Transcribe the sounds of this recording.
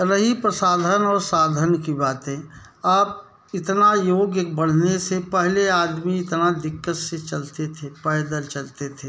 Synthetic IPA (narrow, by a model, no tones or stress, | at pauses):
ɾəɦipɾəsaːd̪ʱənɔːɾsaːd̪ʱənkibaːt̪ɦɛ̃ː | aːp | ɪt̪najoːɡjək̚bəɽ̤nesepɛɦleaːd̪miɪt̪nad̪ɪkːət̪set͡ʃɐlt̪et̪ʰepɛːjd̪əlt͡ʃɐlt̪et̪ʰeː